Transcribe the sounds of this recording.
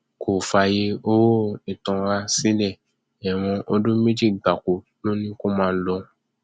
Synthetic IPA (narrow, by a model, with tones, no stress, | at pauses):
kʰo˨fa˧˨je˧o˧wo˦i˨tɔ̃˧ɾa˦si˦lɛ˦˨ | ɛ˨w̃ɔ̃˧ʔo˧dũ˦mĩ˦d͡ʒi˦˨ɡ͡ba˨ko˨ | lo˦nĩ˦ko˦mãː˦˧˦lɔ˧